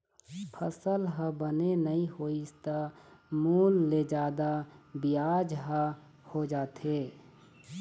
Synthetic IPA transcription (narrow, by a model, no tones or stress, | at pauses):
pʰəsəlɦəbənenəɦĩɦoːist̪əmuːlːed͡ʒaːd̪abijaːd͡ʒɦə | hod͡ʒaːt̪e